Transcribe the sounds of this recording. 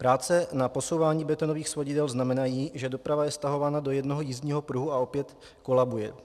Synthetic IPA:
pɾaːt͡sɛnapo̞so̞wvaːɲiːbɛt̪o̞no̞viːxsvoɟɪdɛlznamɛnajiːʒɛdo̞pɾavajɛst̪aɦo̞vaːnado̞jɛdno̞ɦo̞jiːzɲiːɦo̞pɾuɦuao̞pjɛt̪ | ko̞labujɛ

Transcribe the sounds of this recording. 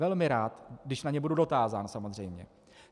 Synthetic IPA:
ɛlmɪɾaːt̪ɡdɪʃnaɲɛbududo̞t̪aːzaːnsamo̞zr̝ɛjmɲɛ̰

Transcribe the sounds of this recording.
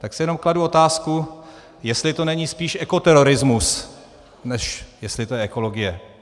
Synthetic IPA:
t̪aksɪjɛno̞mkladuo̞t̪aːsku | jɛst̪lɪt̪o̞nɛɲiːspiːʃʔɛko̞t̪ɛɾo̞ɾɪzmus | nɛʃjɛst̪lɪt̪ojɛʔɛko̞lo̞ɡɪjɛ

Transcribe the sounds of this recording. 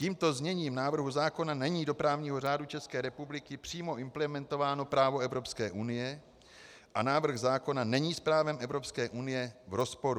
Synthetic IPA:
ciːmt̪o̞zɲɛɲiːmnaːvr̩ɦuzaːko̞nanɛɲiːdo̞pɾaːvɲiːɦo̞r̝aːdut͡ʃɛskɛːɾɛpublɪkɪpr̥iːmo̞ʔɪmplɛmɛnt̪o̞vaːno̞pɾaːvo̞ɛvɾo̞pskɛːʔunɪjɛ | ʔanaːvr̩xzaːko̞nanɛɲiːspɾaːvɛmʔɛvɾo̞pskɛːʔunɪjɛvɾo̞spo̞ɾu

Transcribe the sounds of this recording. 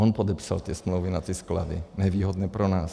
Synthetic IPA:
ɔnpɔd̪ɛpsa̰lt̪ɪɛsmluʊʋinat̪ɪɛskla̰d̪ḭɲɛʋiːɦɔd̪nɛːpɾɔnaːs

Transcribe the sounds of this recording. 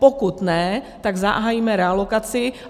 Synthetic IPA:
pokut̪nɛt̪aɡza̰ɦaːjiːmɛɾɛalokat͡sɪ

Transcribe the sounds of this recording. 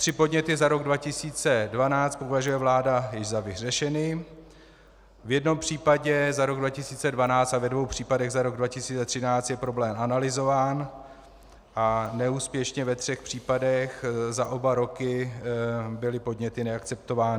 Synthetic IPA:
t̪r̥ɪpo̞dɲɛt̪ɪzaɾo̞ɡdvacɪsiːt͡sɛdvanaːt͡st̪povaʒujɛvlaːdajɪʒzavɪr̝ɛʃɛniː | vjɛdno̞mpr̝̥iːpaɟɛzaɾo̞ɡdvacɪsiːt͡sɛdvanaːt͡st̪avɛdvo̞wpr̝̥iːpadɛɣzaɾo̞ɡdvacɪsiːt͡sɛt̪r̥ɪnaːt͡st̪jɛpɾo̞blɛːmʔanalɪzo̞vaːn | ʔanɛuːspjɛʃɲɛvɛt̪r̥ɛxpr̝̥iːpadɛxzaʔo̞baɾo̞kɪ | bɪlɪpo̞dɲɛt̪ɪnɛakt͡sɛpt̪ovaːnɪ

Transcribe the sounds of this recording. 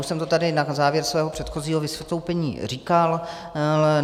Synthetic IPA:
uʃsɛmt̪ot̪adɪjɛdnakzaːvjɛɾsvɛːɦopr̥ɛt̪xo̞ziːɦovɪsvjɛt̪lowpɛɲḭːriːkal

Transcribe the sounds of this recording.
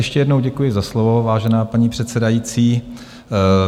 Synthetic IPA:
jɛʃcɛjɛdno̞wɟɛkujɪzaslovo̞vaːʒɛnaːpaɲiːpr̝̥ɛt̪sɛdajiːt͡siː

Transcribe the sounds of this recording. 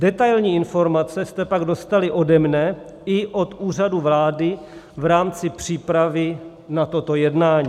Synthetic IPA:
dɛt̪ajlɲiːɪnfo̞ɾmat͡sɛst̪ɛpaɡdo̞st̪alɪʔo̞dɛmnɛ | ɪʔo̞t̪uːr̝aduvlaːdɪ | vɾaːmt͡sɪpr̝̥iːpɾavɪ | nat̪o̞t̪ojɛdnaːɲiː

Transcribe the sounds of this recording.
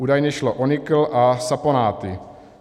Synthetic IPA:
uːdajɲɛʃloʔonɪkl̩ʔasaponaːt̪ɪ

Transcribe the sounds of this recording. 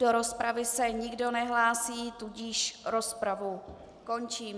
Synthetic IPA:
doɾo̞spɾavɪsɛɲɪɡdo̞nɛɦlaːsiːt̪uɟiʃɾo̞spɾavu | ko̞nt͡ʃiːm

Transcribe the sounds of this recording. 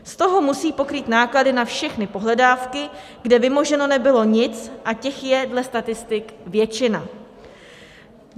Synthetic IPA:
st̪o̞ɦo̞musiːpo̞kɾiːt̪naːkladɪnafʃɛxnɪpo̞ɦlɛdaːfkɪ | ɡdɛvɪmo̞ʒɛno̞nɛbɪlo̞ɲɪt͡sʔacɛxjɛdlɛst̪at̪ɪst̪ɪkvjɛt͡ʃɪna

